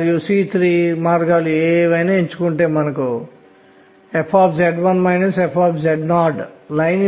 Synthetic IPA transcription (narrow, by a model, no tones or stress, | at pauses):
ɾjusiːt̪ʰɾiːmaːɾɡaːlueːʋɐjnaːiɲt͡ʃu̥kuɳʈeːmɐnɐku | epʰaːpʰd͡ʒeɖʋɐnmɐjnesepʰaːpʰd͡ʒeɖnaːɖlɐjn